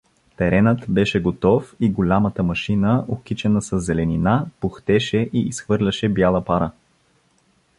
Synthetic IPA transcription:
t̪ɛɾɛnət̪bɛʃɛɡot̪ɔfiɡolʲamət̪əmɐʃinəʔokit͡ʃɛnəsɐzːɛlɛninapoxt̪ɛʃɛʔiisxvɤɾlʲɐʃɛbjalˠəpaɾə

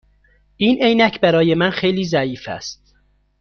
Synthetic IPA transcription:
ʔiːnʔejnæcʰbæɾɒːje̞mænxe̞jliːzæiːfæ̰st̪̚

